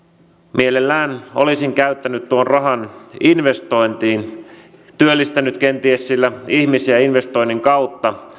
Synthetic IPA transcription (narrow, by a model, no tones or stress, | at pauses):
mʔielelːæːno̰lisiŋkæyt̪ːænyt̪t̪uonrɑɦɑninʋe̞st̪o̞jnt̪iːn | t̪yølːist̪ænyt̪k̟ent̪iessilːæihmisiæinʋe̞st̪o̞jnːiŋkɑwt̪ːɑ